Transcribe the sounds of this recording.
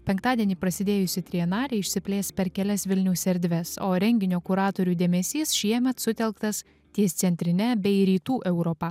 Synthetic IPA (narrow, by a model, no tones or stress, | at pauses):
pʲɛŋkt̪ɑːd̪ʲiɛnʲiːpɾɐsʲɪd̪ʲeːjʊsʲɪt̪ʲɾʲiɛnɑːɾʲɛɪɪʃʲsʲɪpʲlʲeːspʲɛɾkʲɛlʲɛsʋʲɪlʲnʲɛʊsʲɛɾʲd̪ʲʋʲɛsoːɾʲɛŋʲɡʲɪnʲoːkʊɾɑːt̪oːɾʲuːd̪ʲeːmʲɛsʲiːsʃʲiɛmʲɛt̪sʊt̪ʲɛlˠkt̪ɐs | t̪ʲiɛst̪sʲɛnʲt̪ʲɾʲɪnʲɛbʲɛɪɾʲiːt̪uːʔɛʊɾɔpɑ